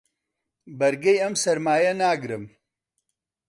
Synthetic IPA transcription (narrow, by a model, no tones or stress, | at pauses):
bɐɾɡɐjɐmsɐɾmaːjɐnaːɡɾɨm